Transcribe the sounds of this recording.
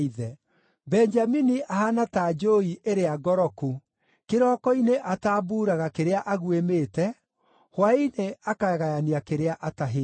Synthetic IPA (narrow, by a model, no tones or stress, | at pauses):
iðɛ | bɛɲd͡ʒaminiʔahanatad͡ʒoiʔeɾeaɡɔɾɔku | keɾɔːkɔineʔataːbuːɾaɣakeɾeaʔaɣwemeːtɛ | hwaineakaɛɣajaniakeɾeaʔataɦe